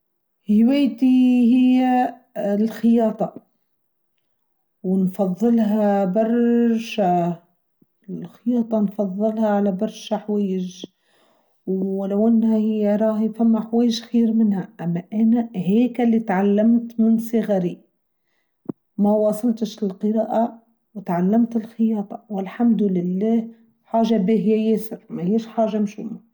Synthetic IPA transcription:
hɪjweːt̪ihɪjːa | lxɪjɑːt̪ˤɑ | wɪnfɑðˤːɨlɦabɑrˤʃa | lxɪjɑːt̪ˤɑnfɑðˤːɨlhaʕalabɑɾˤʃaħweːɪʒ | wlawʔanːhahɪjːaɾˤɑːhfamːaħweːjːɪʒxiːɾmɪnhaʔamːaʔanaɦeːkalːit̪ʕalːamt̪mɪnsˤɨɣaɾi | mawɑːsˤɨlt̪ɪʃlɪlqɨɾɑːʔa | wɪt̪ʕalːamt̪ɪlxɪjɑːt̪ˤɑwɪlħamd̪lɪlːaːh | ħaːʒabiːɦɪjːajesɪɾmahiːʃħaːʒamʃʊmːa

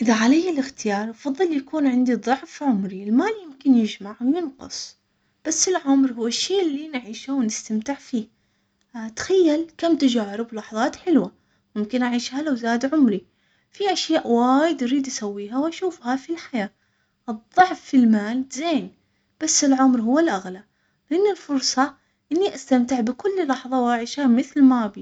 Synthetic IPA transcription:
ʔɪðaʕalajːɪlɪxt̪ɪjɑːɾˤʔɑfɑðˤːɨljakuːnʕɪnd̪iðˤʊʕfʕʊmɾiɪlmaːljɪmkɪnjɪd͡ʒmaʕwjɪnqʊ̰sˤ | b̥asːɪlʕʊmɾhʊwːɪʃːeːʔɪlːinʕiːʃawnɪst̪amt̪ɪʕfiː | t̪xajːalkamt̪ad͡ʒaːɾɪblɑħðˤɑːt̪ħɪlwa | mʊmkɪnʔaʕiːʃhalawzaːd̪ʕʊmɾi | fiʔaʃjaːʔwaːjɪd̪ʔaɾiːd̪ʔasawːiːɦawʔaʃuːfhafilħajaː | ʔɨðˤːɑʕfːilmaːlzeːn | b̥asːɪlʕʊmɾɦʊwːɪlʔaɣla | lɪʔɪnːɪlfʊɾsˤɑ | ʔɪnːiʔast̪amt̪ɪʕbɪkʊlːlːɑħðˤɑwʔaʕiːʃhamɪθlmabi

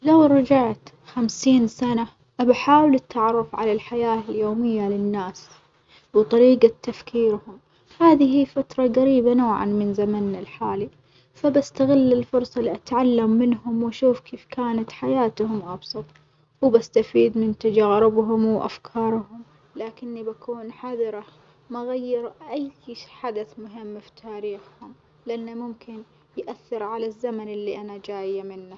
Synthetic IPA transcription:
lawɾˤɑd͡ʒaʕt̪ | xamsiːnsana | ʔabaħaːwlɪt̪ʰːaʕɾˤʊfʕa̰lalħajaːɪljoːmɪjːalɪnːaːs | wt̪ˤɑɾiːɡat̪ːafkiːɾhʊm | haːðihiːfat̪ɾˤɑɣaɾiːbanoːʕa̰nmɪnzamanːalħaːli | fabast̪aɣɪlːɪlfʊɾˤsˤɑliʔat̪ʕalːamːɪnhʊmwaʃuːfkʰeːfkaːnat̪ħajaːt̪hʊmʔɑbsˤɑt̪ˤ | wbast̪afiːd̪mɪnt̪ad͡ʒaːɾɪbɦʊmwʔa̰fkʰɑːɾˤhʊm | laːkɪnːibakʰuːnħaðˤɪɾɑ | maɣajːɪɾʔajħad̪aθmʊɦɪmːfi̥t̪ʰaːɾiːxhʊm | lɪʔanːamʊmkɪn | jʔaθːɪɾʕalazːamanɪlːiʔanad͡ʒaːjamɪnːa

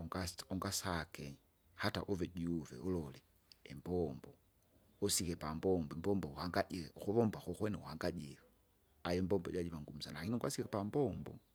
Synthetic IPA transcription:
ɔŋɡasɔŋɡasakɛ | hata̰ʔuvɛɟuvɛ̰ulɔlɛ | ɛmbɔmbɔ | usikɛpambɔmbɔɛmbɔmbɔuhaŋɡaɟixuβɔmbaxuxwɛnɛuhaŋɡaɟila | ajɔmbɔmbɔ̰ɟaɟiβaŋɡum̩sanaakiniŋɡwasikapambɔmbɔ̰

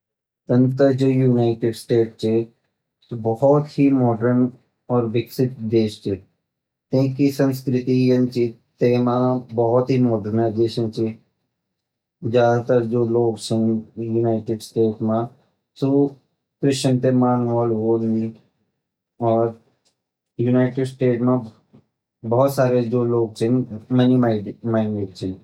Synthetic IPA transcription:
t̪ənt̪əɾd͡ʒoːjuːnaːɪʈeɖsʈeːʈt͡ʃʰe | t̪obɔɦɔt̪himɔːɖəɾn | ɔːɾʋɪksɪt̪̚d̪eːʃt͡ʃʰe | t̪ẽkisə̃nskɾɪt̪ijənt͡ʃit̪emãbɔɦɔt̪ɦimɔːɖəɾnaːzeːʃə̃nt͡ʃi | zjaːd̪ʱat̪əɾd͡ʒoːloːɡt͡ʃʰə̃njunaːɪʈɪɖsʈeːʈmã | su | kɾɪʃənt̪emaːnʋɔːlɦoːlni | ɔːɾ | junaːɪʈɪɖsʈeːʈmã | bɔɦʊt̪saːɾed͡ʒoːloːɡ̚t͡ʃʰɛ̃nmənimaɪmaːɪneʈ̚t͡ʃʰɛ̃

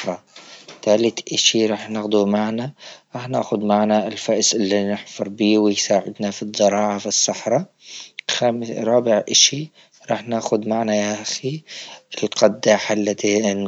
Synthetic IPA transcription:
ɾˤɑt̪aːlɪt̪ʔaʃiɾˤɑːħnɪxd̪umaʕnaɾˤɑːħna̰ːxʊd̪maʕnaɪlfaʔsʔɪlːinɪħfɑɾˤbiːwɪjsaːʕɪ̰d̪nafizˤːɑɾˤɑːʕafisːɑħɾˤɑ | xamɾˤɑːbɪʕʔaʃi | ɾˤɑːħnaːxʊd̪maʕnajaʔaxiɪlqʰɑd̪ːaħalːat̪in

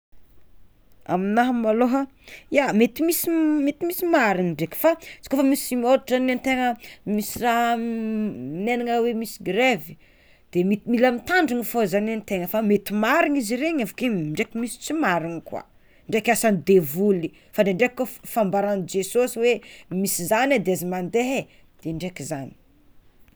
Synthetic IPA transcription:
a̰minaɦmaloɦa | jamet̪imisimet̪imisimaɾiŋiɳɖ͡ʐeki̥fat͡si̥kofamisimioɾaʈ͡ʂanant̪eŋəmisiraɦ | inenaŋəwemisi̥ɡɾevi̥ | d̪̥emit̪imilamit̪aɳɖ͡ʐiŋifozananit̪eŋəfamet̪imaɾiŋiziɾeɲavukeiɳɖ͡ʐekimisi̥t͡simaɾiŋikwa̰ | ɳɖ͡ʐekʲasanid̪evuli | faɖ͡ʐeɳɖ͡ʐekkofambaɾand͡ʒesosiwemisizanad̪eazimand̪eɦe | d̪̥eɳɖ͡ʐekizani̥

